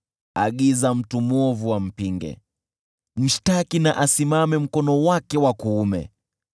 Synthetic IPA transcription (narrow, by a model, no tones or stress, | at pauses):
aɠizam̩tumɔvuwam̩piŋɡɛ̰ | m̩ʃtakinaʔasimamɛm̩kɔnɔwakɛwakuːmɛ̰